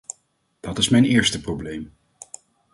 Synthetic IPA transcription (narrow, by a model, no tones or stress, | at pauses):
d̥ɑtɪsmɛjnɪːɹstəproblejm